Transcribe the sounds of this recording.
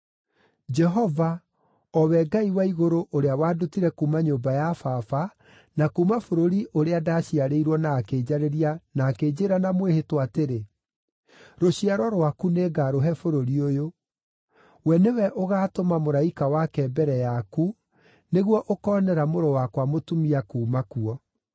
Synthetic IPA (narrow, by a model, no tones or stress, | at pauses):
d͡ʒɛɦɔva | ɔwɛɡaiwaiɣoɾoʔoɾeawaːdutiɾɛkumaɲoːbajafafa | nakumafoɾoɾiʔoɾeadaɕiaɾeiɾwɔnaːkeːd͡ʑaɾeɾianaːkeːd͡ʑeːɾanamwehetoateɾe | ɾoɕiaɾɔɾwakuneːɡaɾoɦɛfoɾoɾiojo | wɛnewɛʔoɣaːtomamoɾaikawakɛbɛɾɛjaku | neɣwɔʔokɔːnɛɾamoɾɔwakwamotumiakuːmakuɔ